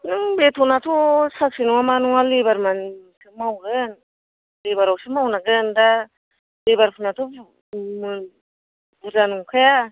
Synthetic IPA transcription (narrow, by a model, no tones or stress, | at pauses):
nɯŋbetʰɔnatʰɔsak̚sinuŋamanuŋalebaɾmansʰɯmawɡɯn | lebaɾawsɯmawnaɡɯnda | lebaɾpʰunatʰu | mɯn | buzanuŋkʰɯja